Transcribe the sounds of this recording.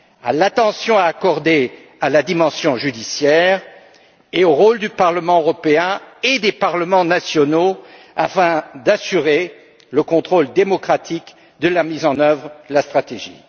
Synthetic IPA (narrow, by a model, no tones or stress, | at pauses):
a̰lat̪ɑ̃sjɔ̃aːkɔʁd̪e | alad̪imɑ̃sjɔ̃ʒyd̪isjɛːʁ | eoʁold̪ypaʁləmɑ̃øʁɔpeɛ̃ed̪epaʁləmɑ̃nasjɔno | afɛ̃d̪asyʁe | ləkɔ̃t̪χold̪emɔkχat̪ʰik | d̪əlamizɑ̃nœvʁlast̪χat̪eʒḭ